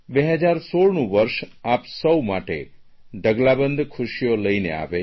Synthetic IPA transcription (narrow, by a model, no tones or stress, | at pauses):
beɦəd͡ʒaɾsoɭnũʋəɾʃapsəwmaʈḛ | ɖəɡlabənd̪ʱkʰʊʃijoləinḛa̰ʋe